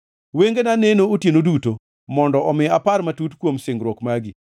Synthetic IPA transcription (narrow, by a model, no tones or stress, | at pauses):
weŋɡenanenootjenoduto | mɔndɔɔmɪaparmatutkwomsɪŋɡɾwɔkmaɡɪ